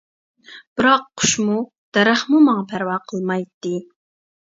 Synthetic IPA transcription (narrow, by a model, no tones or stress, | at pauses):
b̥ɪɾɑqʰːʊ̥ʃmu | d̪̥ɛɾæχmumɑŋɑpʰæɾwɑːqʰəlˠmɑjt̪ːɨ